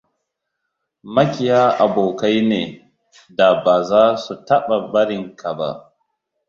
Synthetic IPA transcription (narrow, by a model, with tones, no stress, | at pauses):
mɐ˦kʲɪ˨jaː˦ʔa˨boː˨ka˦jneː˨ | da˨baː˨zaː˦su˨tɐ˦ɓa˨bɐ˦ɽɪ˨ŋkʰa˨ba̰˦ʔ